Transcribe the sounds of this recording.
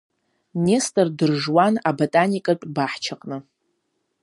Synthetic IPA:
nestʼɨrdɨrʐwanabotʼanikʼaʈ͡ʂʼbaħt͡ʃʰaqʼnɨ

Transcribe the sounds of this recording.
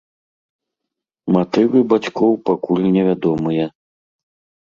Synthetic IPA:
mat̪ɨvɨbat͡ɕʲkɔwpakulʲnʲɛvʲad̪ɔmɨjɐ

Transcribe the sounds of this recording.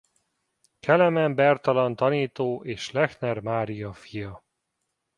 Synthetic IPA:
kʰɛlɛmɛmbɛrt̪ɒlɒnt̪ɒniːt̪oːʔeːʃlɛxnɛrmaːɾijɒfijɒ

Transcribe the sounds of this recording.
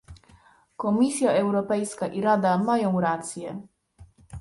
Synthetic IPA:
kɔmʲisʲjaɛwɾɔpɛjskaʔiɾad̪amajɔ̃w̃ɾat̪sʲjɛ

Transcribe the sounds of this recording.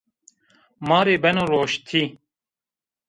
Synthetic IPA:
mɑːɾeːbɛnoːɾoːʃt̪ʰiː

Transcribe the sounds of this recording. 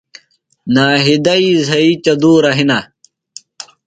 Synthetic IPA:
naːɦid̪ɐizɐit͡ɕɐd̪uːɾɐɦina

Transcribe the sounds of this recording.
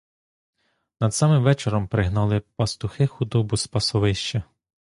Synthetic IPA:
nɐd̪sɑmɪmʋɛt͡ʃeɾɔmpɾɪɦnɑlˠɪpɐst̪ʊxɪxʊd̪ɔbʊspɐsɔʋɪʃt͡ʃɐ

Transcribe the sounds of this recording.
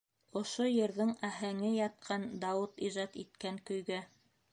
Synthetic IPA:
ŏʃojɘ̆ɾðɘŋæɦæŋɘjɑt̪̚qʰɑnd̪ɑwɤt̪iʒɑt̪it̪̚kæŋkɵ̆jɡæ

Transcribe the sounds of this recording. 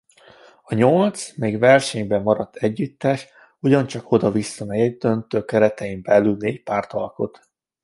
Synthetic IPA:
ɒɲolt̪smeːɡvɛrʃɛɲbɛmːɒɾɒt̪ʰːɛɟːyt̪ːɛʃ | uɟɒnt͡ʃɒko̞d̪ɒvisːɒmɛjɛɟd̪ønt̪øːkɛɾɛt̪ɛimbɛlːylneːcpaːrt̪ɒlko̞̰t̪

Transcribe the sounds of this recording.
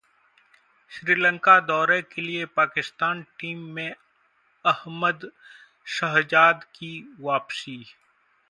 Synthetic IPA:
ʃɾiːlə̃ŋkad̪ɔːɾekeliepaːkɪst̪aːnʈiːmːẽ | ɐhməd̪ | ʃɐɦd͡ʒaːd̪kiʋaːpsiː

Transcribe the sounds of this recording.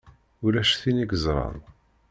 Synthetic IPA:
ʊɾæʃθiniɡəzˤɾˤɑ̰n

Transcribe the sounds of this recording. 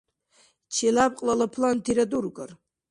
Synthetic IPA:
t͡ʃʰelap̚ʼqʼlalapʰlantʰiɾadurɡʼa̰r

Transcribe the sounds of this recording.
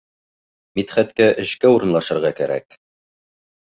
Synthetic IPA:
mit̪χæt̪kæʔɘ̆ʃkæuɾɤ̆nlˠɑʃɤ̆ɾʁɑkæɾæ̰k

